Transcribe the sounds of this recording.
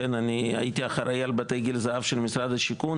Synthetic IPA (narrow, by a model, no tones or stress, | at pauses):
enania̰jit̪iaχaɾajalbat̪ejɡilzaʔafʃelmisɾad̪aʃikun